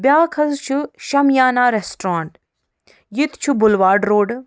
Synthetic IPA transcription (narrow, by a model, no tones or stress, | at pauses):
bʲjaːkʰɐzt͡ʃʰuʃɐmjaːnaːɾesʈɾaːɳʈ | jit̪t͡ʃʰubʊlʋaːɾɖɾoːɖ